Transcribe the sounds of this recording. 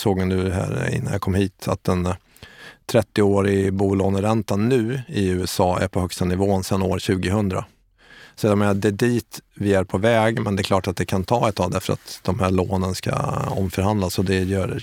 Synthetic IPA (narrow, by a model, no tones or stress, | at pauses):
soːɡnʉ̟ːɦæ̰ːɾɪ̰nːanjakʰɔmhiːt̪ʰa̰t̪ɛn | t̪ʰɾɛt̪ːɪoːɾɪbuːloːnəɾɛnt̪anːʉ̟ːɪʉ̟ːɛsɑːæ̰ɾpʰɔhœkst̪anɪvoːnsɛnːo̰ːɾɕʉ̟ːɡɪɦɵnd̪ɾa̰ | sɛamɛd̪ɛd̪iːt̪vɪæɾpʰɔvɛːɡmɛnd̪ɛkʰlɑːʈat̪̚d̪ɛkʰant̪ʰɑːɛt̪ʰːavd̪æɾfəɾa̰t̪d̪̥ɔmhæːɭoːnənska̰ɔ̰mfœɾhand̪lasɔd̪ɛjœːɾ